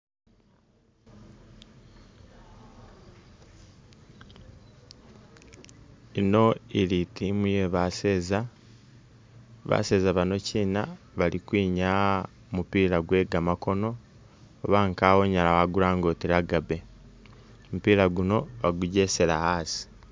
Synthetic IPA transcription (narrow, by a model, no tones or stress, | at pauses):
ino̞iɾitimujeβaseza | βa̰se̞ːzaβano̞ciːna | βaɾikwiːɲa | mupiːɾaɡwe̞ːɡamako̞no̞ː | βaːŋkawo̞ɲalawaɡuɾaːŋɡotiɾaɡabe̞ | mupiːɾaɡuno̞βaɡuɟe̞se̞ɾahaːsi̥